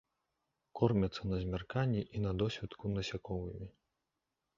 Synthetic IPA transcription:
kɔrmʲɐt̪sːɐnɐzʲmʲarkanʲːiʔinɐd̪ɔsʲvʲit̪kunɐsʲakɔvɨmʲi

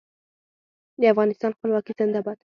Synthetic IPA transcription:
d̪əafɣɑnɪst̪ɑnxpəlwɑkizɪnd̪abɑd̪̥

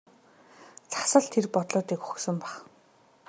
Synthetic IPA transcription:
t͡sʰḁsə̆ɮt̪ʰerpɔt̪ɮɔːt̪iːkxɵ̥xsə̆mpæχ

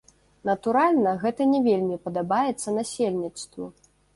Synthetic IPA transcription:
nɐt̪uɾalʲnɐɣɛt̪ɐnʲɛvʲelʲmʲipɐd̪abajɛt̪sːɐnasʲelʲnʲit̪st̪vṵ

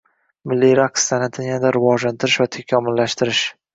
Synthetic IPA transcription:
mɪlːiɾaqst̪anat̪ʰɪjand̪aɾɪvɒd͡ʒlant̪ʰɪɾɪʃvat̪ʰakʲʰamɪlːaʃt̪ɪɾɪʃ

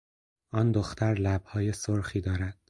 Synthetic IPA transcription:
ɒːnd̪oxt̪ʰæɾlæb̥hɒːje̞soɾxiːd̪ɒːɾæd̪̥

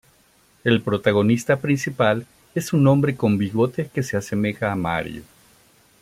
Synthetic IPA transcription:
e̞lpɾo̞t̪aɣo̞nist̪apɾinsipal | e̞sunõ̞mbɾe̞ko̞mbiɣo̞t̪eke̞se̞ase̞me̞xaːma̰ɾjo̰

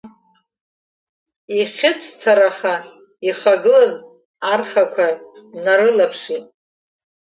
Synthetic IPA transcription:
iχʲɪt͡ʃʷʰt͡sʰaɾaχa | iχaɡɨlaz | arχakʷʰanaɾɨlapʰʂitʼ

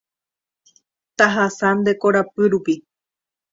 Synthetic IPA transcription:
t̪aɦasãnd̪e̞koɾapɨɾupi

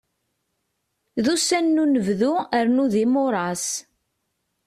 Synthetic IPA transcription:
ðusænːunəvðuəɾnuðimʊɾˤɑs

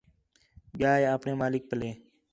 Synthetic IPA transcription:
ɓɪjaːeːaːpneːmaːlɪk̚pəleː

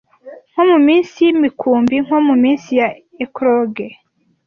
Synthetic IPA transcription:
ŋ̥homumiːnsijimikʰuːmbiŋ̥homumiːnsija | ekɾoɡe

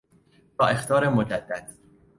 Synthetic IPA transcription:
bɒːe̞xt̪ʰɒːɾemod͡ʒæd̪̥ːæd̪̥

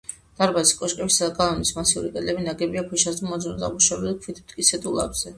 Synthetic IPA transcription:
d̪̥aɾbaiskʼɔʃkʼɛbisad̪aɡalˠɔnismasiṵɾikʼɛd̪lɛbinaɡɛbiapʰuʃasd̪amɔd̪zɔnɔd̪a̰buʃɛbɛlkʰvit̪ʰmt̪ʼkʼisʰɛt̪ʼulˠa̰bz̥ɛ

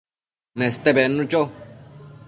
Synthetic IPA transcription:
nẽst̪ebenũt͡ʃo

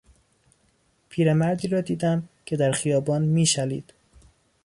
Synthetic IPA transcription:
pʰiːɾemæɾd̪iːɾɒːd̪iːd̪æmcʰe̞d̪æɾxijɒːbɒːnmiːʃælḭːd̪̥

